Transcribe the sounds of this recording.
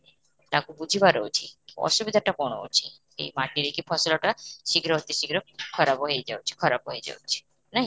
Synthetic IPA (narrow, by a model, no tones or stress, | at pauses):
t̪akubud͡ʒʱibaɾɔwt͡ʃʰikɔ̰ʃubid̪ʱaʈakɔɳ̃ɔ̰ut͡ʃʰi | ḛjmaʈiɾikipʰɔsɔlɔʈaʃiɡɾɔɦot̪iʃiɡɾɔkʰɔɾabɔɦejd͡ʒawt͡ʃʰi̥kʰɔɾabɔɦejd͡ʒa̰wt͡ʃʰi̥ | naɦĩ